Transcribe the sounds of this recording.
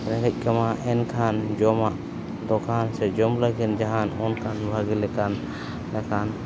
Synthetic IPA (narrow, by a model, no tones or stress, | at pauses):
ɾɛɡac̚kamaʔɛnkʰand͡ʒɔmaʔ | d̪ɔkʰansɛd͡ʒɔmlaɡind͡ʒaɦanɔnkʰanbʱaɡilɛkanː | akʰan